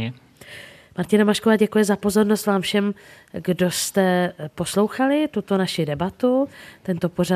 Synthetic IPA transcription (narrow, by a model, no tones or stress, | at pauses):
maɾcɪnamaʃkovaːɟɛkujɛzapo̞zo̞ɾno̞st̪vaːmfʃɛm | ɡdo̞st̪ɛpo̞slo̞wxalɪt̪ut̪o̞naʃɪdɛbat̪ut̪ɛnt̪o̞po̞ɾa